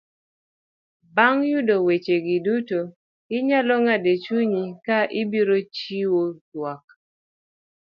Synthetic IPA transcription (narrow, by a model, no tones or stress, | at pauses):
baŋjudowet͡ʃeɡɪduto | ɪɲalɔŋadet͡ʃuɲikaʔɪbiɾot͡ʃiwotwak̚